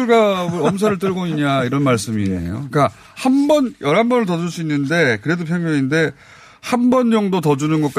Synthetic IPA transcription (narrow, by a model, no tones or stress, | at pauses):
uɭɡabɯɾʌms̬ʰaɾɯɭt͈ɯɾɡoiɲɲaiɾʌnmaɭs͈ɯmiḛjo̰k͈a | hanbʌnjʌɾɦambʌnɯɭtʌd͡ʑuɭs͈uinːɯnde̞kɯɾe̞dopʰjʌŋmjʌŋinde̞ | hanbʌnd͡ʑʌŋdotʌd͡ʑunɯnɡʌk͈a